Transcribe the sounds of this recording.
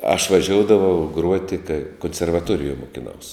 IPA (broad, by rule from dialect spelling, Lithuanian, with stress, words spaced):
ɐʃ ʋɐˈʒʲoːʊdɐʋɐʊ ˈɡruɔtʲɪ kɐɪ koːnʲsʲɛrʋɐˈtuɔrʲɪjuɔj mʊkʲɪˈnɐʊs